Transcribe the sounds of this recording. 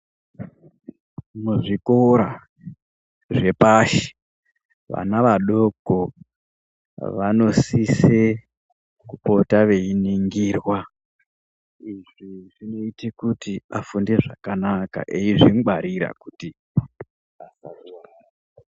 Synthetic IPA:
muʐikoɾa | ʐe̞paʃi̥ | ʋa̰naʋaɗo̞ko | ʋano̞sise | kupo̞taʋe̞iniŋɡiːrwa | iʐiʐino̞itekutiafunde̞ʐakanaka̰ʔeiʐimɓaɾiɾa̰kuti | asarua

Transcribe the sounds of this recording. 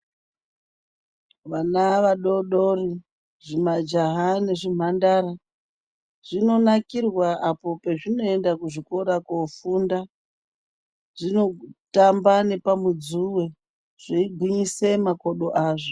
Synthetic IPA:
ʋanaʋaɗo̞ɗo̞ri | ʐimad͡ʒaɦane̞ʐim̤andaɾa | ʐ̥ino̞nakirwaʔapo̞pe̞ʐino̞e̞ndakuʐikoɾakofuːnda | ʐ̥ino̞tambane̞pamud͡zuwe̞ | ʐ̥eiɡʱwiɲisemakoɗo̞ʔaːʐo

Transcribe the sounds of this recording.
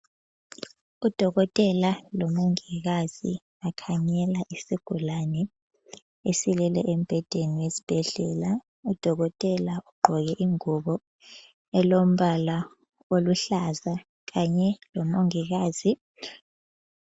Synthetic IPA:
ud̥ʱɔɣɔtʼɛlalɔmoŋiɣ̬az̥ḭ | akʰaɲɛlaʔisiɡ̥ʱulanɛ | esilɛlɛ̰ʔɛm̩b̥ʱɛd̥ʱeniwezi̥b̥ʱɛɮɛːla | ud̥ʱɔɣɔtʼɛlauɡ͡ǃʱɔɣɛʔiŋuɓɔ | ɛlom̩ɓala | oluɬaza | kaɲɛlɔmoŋiɣ̬aːzi

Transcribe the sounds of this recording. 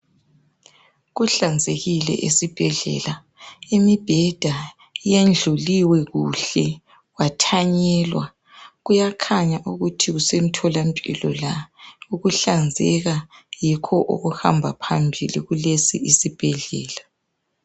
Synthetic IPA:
ɣuɬand͡zʱeɣilɛ̰ʔisib̥ʱɛɮɛ̰la | imib̥ʱɛd̥ʱa | jend͡ɮʱuliwɛɣuɬɛ | watʰaɲɛːlwa | ɣujakʰaɲaʔuɣutʰiɣusem̩tʰɔlampʼḭlɔlauɣuɬand͡zʱɛɣajikʰɔʔo̰ɣuha̰mbʱapʰambʱiliɣulesiisib̥ʱɛɮɛ̰ːla

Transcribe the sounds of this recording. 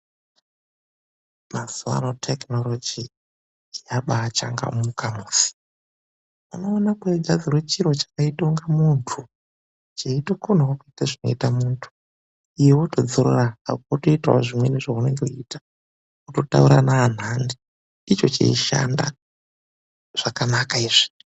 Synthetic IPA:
mazua̰notʰeknolod͡ʒi | jaɓaːt͡ʃa̰ŋɡa̰mukamuːsi̥ | uno̞ːnakweɡazirwet͡ʃiɾo̞t͡ʃḁkaito̞ŋɡamuntʰu | t͡ʃeitokon̤awokuitaʐino̞̰itamuːntʰu̥ | ijewoto̞d͡zoɾoraakotoitawa̰ʐimweneʐaune̞ŋɡeitḁ | kuto̞ta̰uɾanaːn̤andi | it͡ʃo̞t͡ʃḛiʃa̰nda̰ | ʐ̥akanakaiʐi̥

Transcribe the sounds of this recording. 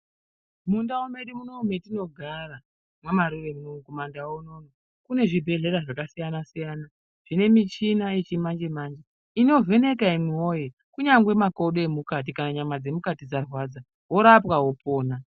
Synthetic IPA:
mundaome̞ɗimunometino̞ɡʱara | mwamaɾuʋe̞munoŋkomandawono̞no | kune̞ʐibʱe̞ɮe̞ɾaʐakasijanasijana | ʐ̥ine̞mit͡ʃinaet͡ʃimand͡ʒemaːnd͡ʒe | ino̞ve̞ne̞kaimwio̞je | kuɲaŋɡwe̞makoɗoemukat̬ikanaɲamad͡ze̞mukatid͡zarwad͡za | ɦo̞ɾapwaɦo̞po̞ːna

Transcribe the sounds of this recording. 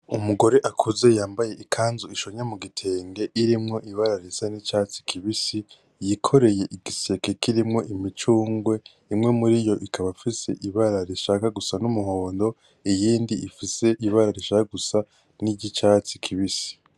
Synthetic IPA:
umuɡo̞ɾe̞ʔakʰuze̞jaːmbaje̞ʔikʰaːnzuiʃo̞ɲamuɡitʰe̞ːŋɡe̞ʔiɾimŋo̞ʔiβaɾaɾisanit͡ʃaːt͡si̥kʰiβisi | jikʰo̞ɾe̞je̞ʔiɡise̞kekiɾimŋo̞ʔimit͡ʃuːŋɡwe̞ | imŋe̞muɾijo̞ʔikʰaβafise̞̰ʔiβaɾaɾiʃaːkaɡusanumuho̞ːndo̞ | ijiːndiifise̞ʔiβaɾaɾiʃakaɡusa | niɟit͡ʃat͡si̥kʰiβisi̥

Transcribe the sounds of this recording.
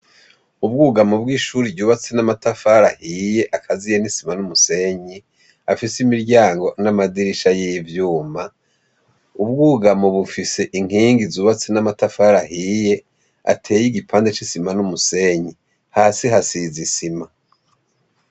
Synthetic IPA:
ub̚ɡuːɡamobɡiːʃuːɾiɟuːβat͡senamatafaɾahije̞ʔakʰazijenisimanumuse̞ɲi | afisimiɾɟaːŋɡo̞namadiɾiʃajivjuːma | ubɡuːɡamoβufise̞ʔiŋ̥iːŋɡizuːβat͡senamatafaɾahije̞ | a̰tʰe̞ːjiɡipʰaːndet͡ʃisimanumuse̞ɲi | haːsiɦasizisima

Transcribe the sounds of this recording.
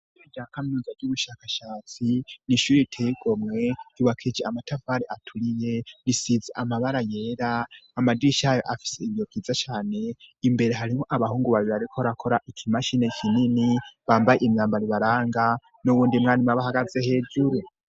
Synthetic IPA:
eɟakamnuːnzaɡɟuβuʃakaʃaːt͡siniʃuːɾetʰeiɡ̥o̞mŋe̞juβakʰid͡ʒeamatʰafaɾeʔatʰuɾije̞nisizeʔamaβaɾaje̞ːɾaːmadiiʃajoʔafi̥se̞iβjo̞kkiːzat͡ʃaːne̞imbe̞ɾe̞ɦaɾimo̞ʔaβahuːŋɡuβaβiaɾikʰoɾakʰo̞ɾaʔikʰimaʃine̞kʰininiβaːmbajeimɲaːmbaɾiβaɾaːŋɡa | nuβuːndimŋaːnimaβahaɡaze̞he̞ːd͡ʒuɾu

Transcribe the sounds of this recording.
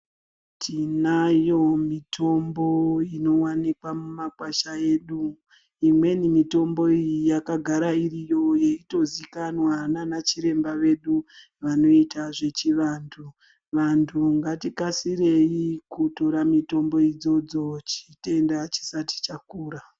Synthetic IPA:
tʰinajo̞mitʰo̞mbo̞ino̞wanikwamumakwaʃae̞ːɗu | imwe̞nimito̞mbo̞ijijakaɡʱaɾairijo̞je̞ito̞zikanwananat͡ʃiɾe̞mbaʋe̞ɗu | ʋano̞itʰaʐe̞t͡ʃiʋaːntʰu | ʋantʰuŋɡatikasiɾe̞ikuto̞ɾamito̞mbo̞id͡zo̞d͡zo̞t͡ʃi̥te̞ndat͡ʃi̥sati̥t͡ʃakuːɾa

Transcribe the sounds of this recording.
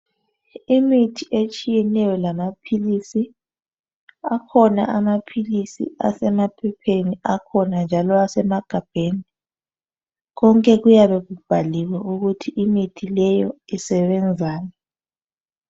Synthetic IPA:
imitʰiʔet͡ʃʼijɛnɛjɔlamapʰilisi | akʰɔnaʔamapʰilisḭa̰sɛmapʰɛpʰeniakʰɔnand͡ʒʱalɔasɛmaɡ̥ʱab̥ʱeːni | ɣɔŋkʼɛɣujaβɛɣub̥ʱaliwɛuɣutʰiʔimitʰilɛjɔisɛβɛnd͡zʱaːnɛ

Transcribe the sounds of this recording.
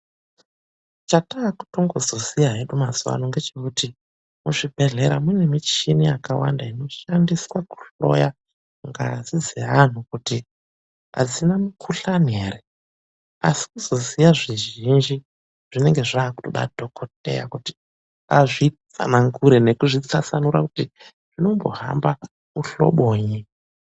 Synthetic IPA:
t͡ʃataːku̥to̞ŋɡozo̞sijaɦeɗumazuwa̰noŋɡe̞t͡ʃe̞kuti | muʐibʱe̞ɮe̞ɾamune̞mit͡ʃinijakawa̰ndaino̞ʃandiswaku̥ɬo̞̰ja | ŋɡa̰zid͡zeɦan̤ukuti | a̰d͡zinamukʰuɬaneːre | a̰si̥kuzo̞zijaʐiʒind͡ʒi | ʐ̥ine̞ŋɡe̞ʐaːku̥toɗa̰dʱo̞kʰo̞t̚e̞̰ja̰kuti̥ | aʐit͡sa̰naŋɡuɾene̞kuʐit͡sasanuɾaku̥ti | ʐino̞mbo̞̰ɦa̰mba | uɬo̰ɓoːɲi

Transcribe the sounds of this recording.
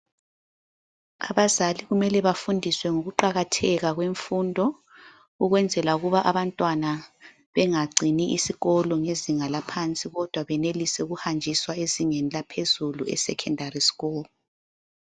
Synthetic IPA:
a̰βazaliɣumɛlɛβafundʱiswɛŋoɣuǃaɣatʰɛɣaɣweɱfuːndʱɔ | uɣwɛnd͡zʱɛlauɣuβaʔaβantʼwana | βɛŋaɡ͡ǀʱiniʔisiɣɔlɔŋeziŋalapʰant͡sʼiɣɔd̥ʱwaβɛnelisɛuɣuhand͡ʒʱiswaeziŋenilapʰezuluɛ̰sɛ̰kʰɛndʱarisi̥ɣɔːlɔ

